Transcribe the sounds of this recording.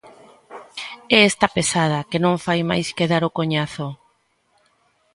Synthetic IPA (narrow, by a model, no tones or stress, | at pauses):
ɛest̪apesað̞ɐkenõŋfajma̰jskeðaɾokoɲaθʊ